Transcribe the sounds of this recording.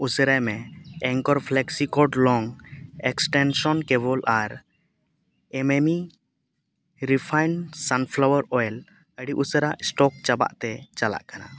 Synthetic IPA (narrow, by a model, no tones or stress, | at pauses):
usəɾajmɛɛŋkɔɾpʰlɛksikɔɖlɔŋɛksʈɛnsɔnkɛβɔlʔaɾ | ɛmemi | ɾipʰajnsanpʰlawəɾɔjl | əɖiʔusəɾaʔsʈɔk̚t͡ʃaba̰ʔt̪ɛt͡ʃala̰ʔkana